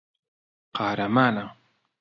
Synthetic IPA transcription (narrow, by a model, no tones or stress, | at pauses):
qʰɑːɾamaːnaŋ